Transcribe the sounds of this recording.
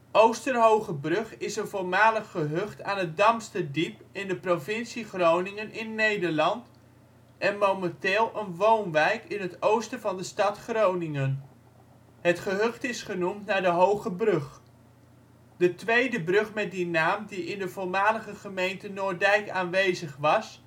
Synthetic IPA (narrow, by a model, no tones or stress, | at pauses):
owstərɦowχəbrɵχɪsənvʊlˠmaːləχχəɦɵχtaːnət̚dɑmstədipɪndəprovɪnsiχrownɪŋənʔɪnːejdəɹlɑnt | ʔɛnmowmɛntɪːlˠʔənʋownʋɛjkɪnɦətowstəvɑndəstɑtχrownɪŋən | ɦətχəɦøχtɪsχənumtnaːɹdəɦowχəbrɵχ | d̥ətʋejdəbrʏχmɛt̚dinaːmdiʔɪndəvʊlˠmaːləχəχəmejntənʊːɹdɛjkaːnʋejzəχʋɑs